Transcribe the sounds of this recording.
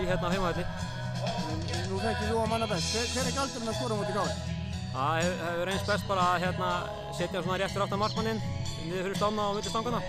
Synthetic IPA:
içjɛt̪naheːmaɛt̪ɪ | ɛnnuθɛht̪ɪlowamanːapɛst̪ɛθɛɾɛhcalt̪ɾmɛðkʰɔːɾamɔt̪ɪkaw | aɛvhɛvʏɾejnspɛst̪̚paːɾaːðçjɛt̪na | sɛːt̪jasɔnaɾjɛht̪ʏɾaft̪amaɾrk̚manːɪnnɪðfɪɾʏst̪awnːaamɪt̪ɪst̪aŋkanḁ

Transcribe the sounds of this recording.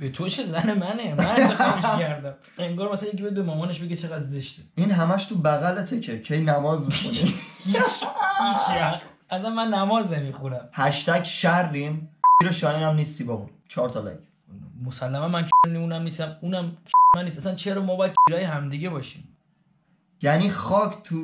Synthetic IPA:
b̥e̞t̪ʰot͡ʃʰezæne̞mænemænmikæɾd̪æm | e̞ŋɡɒːɾmæsææjecibejd̪bemɒmɒːneʃbeɡet͡ʃʰe̞ɣæd̪zeʃt̪ʰeinɦæmæʃt̪ʰubæɣælet̪ʰecʰecʰejnæmɒːzmixunihit͡ʃhit͡ʃæt̪ | ʔæsænmænːæmɒːznemixunæmhæʃt̪ækʃærːimt͡ʃʰiɾɒʃɒːinæmniːst̪ibɒunt͡ʃʰɒːɾt̪ʰɒlæ̰kʰ | mosælːæmænmænkʰniunæmniːst̪æmunæmkʰimænːisʔæsænt͡ʃʰeɾɒmɒːbɒjæd̪̥̚t͡ʃʰiɾɒːjeɦæmd̪iːɟebɒːʃḭːm | jæniːxɒːkʰt̪ʰu

